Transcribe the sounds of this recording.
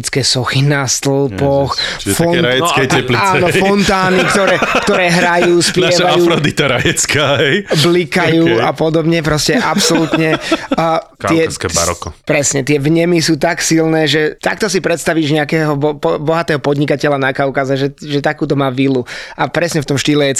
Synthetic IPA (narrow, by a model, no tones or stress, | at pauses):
t͡skɛːsɔxinast̪l̩ˠpɔx | fɔnajɛɛɛpliaːnɔfɔnt̪aːnikt̪ɔɾɛːkt̪ɔɾɛːɦɾajuːspɪaɛʋaajuːɾɔd̪it̪aɾajɛt͡skaːɦɛjblikajuːapɔd̪ɔbɲɛpɾɔscɛʔapsɔlut̪ɲɛː | k̪ɪɛskɛa̰ɾɔ̰kɔpɾɛsɲɛt̪ɪɛvɲɛmisuːt̪aksilnɛːʒɛt̪akt̪ɔsipɾɛt̪st̪aʋiʒɲɛakɛːɦɔbɔpɔbɔɦat̪ɛːɦɔpɔd̪ɲikacɛlanakaʊwkazɛʒɛʒɛt̪akuːt̪̬ɔmaːʋiluʔapɾɛsɲɛft̪ɔmʃt̪iːlɛjɛ